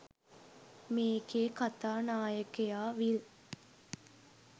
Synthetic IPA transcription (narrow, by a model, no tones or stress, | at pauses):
meːɡeːkat̪aːnaːjəkejaːʋil